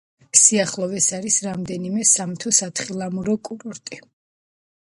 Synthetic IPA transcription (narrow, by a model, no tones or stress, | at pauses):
siaχlˠɔvɛsaɾisɾamd̪ɛnimɛsamt̪ʰɔsat̪ʰχilˠamuɾɔkʼuɾɔɾt̪ʼi